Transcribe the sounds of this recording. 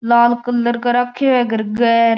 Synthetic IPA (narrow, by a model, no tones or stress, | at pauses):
laːlkəlːəɾkəɾakʰːeɛɡəɾɡɛːɾ